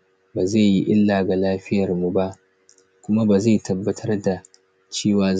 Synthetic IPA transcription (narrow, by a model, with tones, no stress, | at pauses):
baː˨za˦˨ji˦ʔɪ˦lːaː˨ɡa˨laː˦ɸɪ˦jɐ˨rmu˨ba˦ʔ | kʷʊ˦ma˦baː˨za˦˨tʰɐ˨bːɐ˦tʰɐ˦rda˨ | t͡ʃeː˦waː˨˦